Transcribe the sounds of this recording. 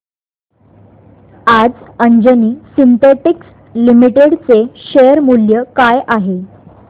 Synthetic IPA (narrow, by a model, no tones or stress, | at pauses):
ad͡zəɲd͡ʑəniːsint̪eʈiks | limiʈeɽt͡seɕejəɾmuljəkajʔaɦe